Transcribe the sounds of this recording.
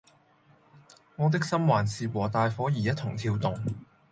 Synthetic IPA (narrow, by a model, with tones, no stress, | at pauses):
ŋɔː˨˧t̪̬ɪ˥k̚sɐ˥mwaː˨˩nsiː˨˧wɔː˨˩t̪aː˨˧jfɔː˨˥jiː˨˩jɐ˥t̪ʰʊ˨˩ŋt̪ʰiː˧wt̪ʊ˨ŋ